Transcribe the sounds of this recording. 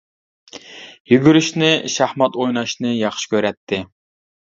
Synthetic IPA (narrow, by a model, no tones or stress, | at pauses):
jyɡʲyɾyʃnɪʃæhmɑt̪ojnɑʃnɨjɑχʃi̥kʲʰøɾɛt̪ʰːɪ